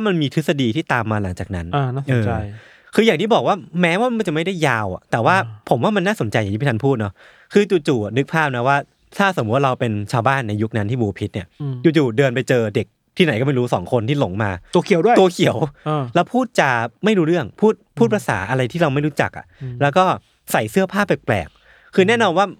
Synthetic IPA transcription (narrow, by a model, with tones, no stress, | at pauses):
wa˥˩ma˧nmiː˧t̪ʰɯ˦˥sa˧diː˧t̪ʰiː˥˩t̪aː˧mːaː˧la˨˩˦ŋt͡ɕaː˨˩k̚na˦˥na˧˥˩ʔɤː˨˧ | kʰɯː˧jaː˨˩t̪ʰiː˥˩bɔː˨˩k̚waː˥˩mɛː˦˥waː˥˩ma˧nt͡ɕa˨˩ma˥˩jda˥˩jːaː˧wa̰˨˩t̪ɛː˨˩waː˥˩pʰo˨˩˦mwaː˥˩ma˧nːaː˥˩so˩˦nt͡ɕa˧ja˨˩t̪ʰiː˥˩˥a˥pʰuː˥˩t̪̚nɔ˦˥ | kʰɯː˧t͡ɕuː˧˩t͡ɕuː˨˩a˨˩nɯ˦˥k̚pʰaː˥˩p̚na˦˥waː˥˩ | t̪ʰaː˥˩so˨˩˦t̪̚waː˥˧ɾa˧wpe˧nt͡ɕʰaː˧wbaː˥˩nːa˧ju˦˥k̚na˦˥nt̪ʰiː˥˩buː˧pʰi˦˥t̪̚ni˥ɐt͡ɕuː˧˩t͡ɕuː˨˩dɤː˧npa˧jt͡ɕɤː˧de˨˩k̚ | t̪ʰi˥˩na˨˦kɔː˥˩ma˥˩jɾuː˦˥sɔː˩˦ŋkʰo˧nt̪ʰiː˥˩lo˨˩˦ŋmaː˧kʰi˨˦wdu˥t̪u˧əkʰi˨˩˦ə˦wlɛː˦˥wpʰuː˥˩t̪̚t͡ɕa˧˩ma˥˩jɾuː˦˥ɾɯ˥˩əŋpʰuː˥˩t̪̚pʰuː˥˩t̚pʰa˧sa̰ː˩˦ʔa˧ɾa˧jt̪ʰiː˥˩ɾa˧wma˥˩jɾu˦˥t͡ɕa̰˨˩k̚ʔa̰˩ʔlɛː˦˥wkɔː˥˩ | sa˨˩jsɯ˥˩ɐpʰaː˥˩pːa˨˩plɛ̰ː˨˩k̚ʰː | ɯː˧nɛː˥˩˨nɔː˧nwaː˥˩